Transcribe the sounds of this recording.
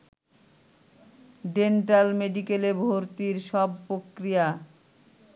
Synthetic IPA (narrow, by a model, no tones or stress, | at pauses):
ɖenʈalmeɖikelebʱoɾt̪iɾʃɔb̚pɾokɾija